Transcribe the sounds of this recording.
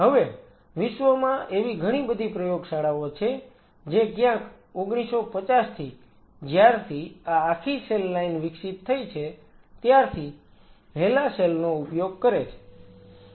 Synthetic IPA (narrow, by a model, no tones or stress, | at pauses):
ɦəʋe | ʋɪʃʋəmãʔeʋiɡʱəɽ̃ibəd̪ʱipɾəjoɡsaɽaʋot͡ʃʰe | d͡ʒekjãk | oɡɽ̃isopət͡ʃast̪ʰi | d͡ʒjaɾt̪ʰiaːkʰiselːainʋɪksit̪ʰːəjt͡ʃʰe | t̪jaɾt̪ʰi | ɦelaselnoupjoɡ̚kəɾet͡ʃʰe̥